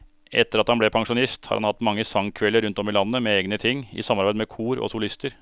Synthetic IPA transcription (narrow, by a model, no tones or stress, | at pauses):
ʔɛ̰t̪ːəɾɑt̪hɑnblɛpʰɑŋʂʊnɪst̪hɑ̰ɾhɑnhɑt̪ːmɑŋːəsɑŋkʰʋɛləɾʉnt̪ɔmɪlɑnːəmɛeːɡnət̪ʰɪŋːɪ̰sɑmːɑɾbæɪd̪mɛkʰuːɾɔ̰sʊlɪst̪əɾ